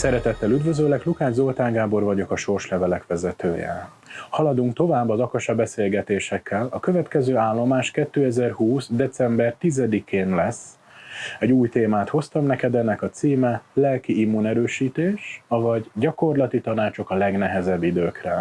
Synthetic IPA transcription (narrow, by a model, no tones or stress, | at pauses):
sɛɾɛt̪ɛt̪ːɛlyd̪vø̞zøːlɛklukaːʒzo̞lt̪aːŋɡaːbo̞rvɒɟo̞kɒʃo̞rʃlɛvɛlɛkʋɛzɛt̪øːjɛ̰ | hɒlɒd̪uŋk̚t̪o̞vaːbːɒzɒkɒʃɒbɛseːlɡɛt̪eːʃɛkːɛlɒkø̞vɛt̪kɛzøːaːlːo̞maːʃkɛt̪ːøːɛzɛrhuːsd̪ɛt̪sɛmbɛrt̪izɛd̪ikʰeːnlɛsː | ɛɟuːjt̪eːmaːt̪ho̞st̪ɒmnɛkɛd̪ɛnːɛkɒt̪siːmɛlɛlkiimːunɛɾøːʃiːt̪eːʃɒvɒɟɟɒko̞rlɒt̪it̪ɒnaːt͡ʃo̞kɒlɛɡnɛɦɛzɛbːid̪øːkrɛ